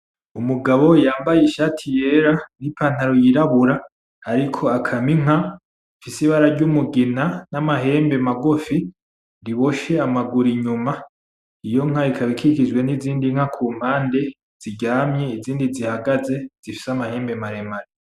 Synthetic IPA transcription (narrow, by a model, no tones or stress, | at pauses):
umuɡaβo̞jaːmbajiʃaːtʰije̞ɾanipʰaːn̥haɾojiɾaβuɾaː | ɾikʰo̞akʰamiŋ̥a | fisiβaɾaɾɟumuɡinanamaɦe̞ːmbe̞maɡofi | ɾiβo̞ʃe̞amaɡuɾiɲuma | ijo̞ŋ̥aikʰaβikʰikid͡ʒɡwe̞niziːndiŋ̥akʰuːm̥haːnde̞ | z̥iɟaːmɲe̞iziːndizihaɡaze̞z̥ifi̥samahe̞ːmbemaɾe̞maɾe